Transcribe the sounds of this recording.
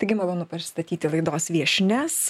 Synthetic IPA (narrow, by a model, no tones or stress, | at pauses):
t̪ɐɪɡʲɪmɐlˠoːnʊpɐst̪ɐt̪ʲiːt̪ʲɪlˠɐɪd̪oːsʋʲiɛʃʲnʲɛs